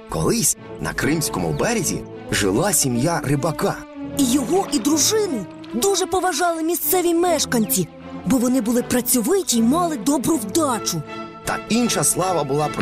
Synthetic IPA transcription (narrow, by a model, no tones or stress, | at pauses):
kɔ̰lˠɪsʲ | nɐ̰kɾɪmsʲkɔmʊ̰bɛɾʲezʲḭ | ʒɪlˠɑsʲimʲjarɪbɐkɑijɔɦɔʔid̪ɾuʒɪnɪ | d̪uʒɛpɔʋɐʒɑlˠɪmʲist̪sɛʋʲimɛʃkɐnʲt͡sʲi | bɔʋɔnɪbʊlˠɪpɾɐt͡sʲɔʋɪtʲiimɑlˠɪd̪ɔbɾʊwd̪ɑt͡ʃʊt̪ɐ̰inʃɐslˠɑʋɐbʊlˠɑp